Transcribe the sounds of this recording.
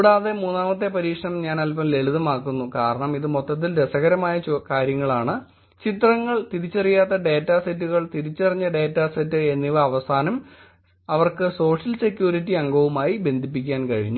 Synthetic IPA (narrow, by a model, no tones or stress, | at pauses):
ɽaːðe̞muːnːaːmɐt̪̬ːe̞pɐɾiːkʂɐɳɐmɲaːnɐlpɐmle̞ɭuðɐmaːkːunːukaːɾɐɳɐmiðɨmot̪ːɐt̪̬ːildesɐɣɐɾɐmaːjɐt͡ɕːkaːɾjɐŋːɐɭaːɳɨ | t͡ɕit̪rɐŋːɐɭt̪iɾit͡ɕːɐrijaːt̪ːɐɖe̞ːtːaːsetːuɣɐɭt̪iɾit͡ɕːɐrɐɲːɐɖe̞ːtːaːsetːɨe̞nːiʋɐɐʋɐsaːnɐm | ɐʋɐrkɨso̞ːʂɐlse̞kʲːjuːɾitːiɐŋɡɐʋumaːjibe̞nd̪ʱip̬ːik̬ʲːaːnkɐɻiɲːu